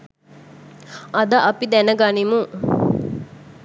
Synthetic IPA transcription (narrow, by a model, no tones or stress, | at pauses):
ɐd̪ɐʔɐpid̪ɛnəɡanimu